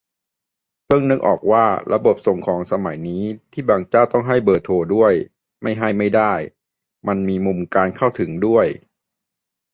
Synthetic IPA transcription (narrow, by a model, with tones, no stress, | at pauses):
pʰɯ˥˩əŋnɯ˦˥kʔɔ̰ː˨˩k̚waː˥˩ɾʔa˧bo˨˩p̚so˨˩ŋkʰɔː˩˦ŋsa˧ma˩˦jniː˦˥t̪ʰiː˥˩baː˨˩ŋt͡ɕaː˥˩wt̪ɔ˥˩ŋɦa˥˩jbɤː˨˩t̪ʰoː˧du˥˩əj | ma˥˩jɦa˥˩jma˥˩jdaː˥˩j | ma˧nmiː˧mu˧mkaː˧nkʰa˥˩wt̪ʰɯ˩˦ŋdu˥˩əj